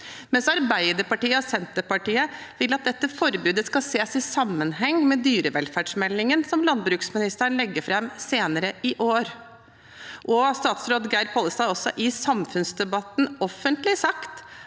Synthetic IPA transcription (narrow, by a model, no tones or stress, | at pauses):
mɛnsɑɾbæɪd̪əɾpɑʈiːəɔsɛnt̪əpɑʈiːə | ʋɪlːɑt̪̚d̪ɛt̪ːəfɔɾbʉːd̪əskɑseːsɪsɑmːənhɛŋːmɛd̪yːɾəʋɛlfæːɖʂmɛlːɪŋənsɔmlɑnbɾʉːksmɪnɪst̪əɳlɛɡːəfɾɛmseːnəɾəɪʔoːɾ | ʔɔst̪ɑːt̪sɾoːd̪ɡæɪɾpʰoːləst̪ɑɪɔsːɔʔɪsɑmfʉnsd̪ɛbɑt̪nɔfːənt̪lɪsɑkt̪